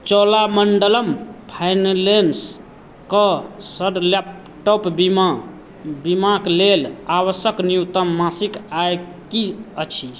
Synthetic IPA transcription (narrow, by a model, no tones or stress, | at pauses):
t͡ʃɔlaməɳɖələmpʰajnlens | kəsəɖlap̚ | ʈopb | bimaklelaβəsjəknijut̪əmːasikaj | kiət͡ʃʰi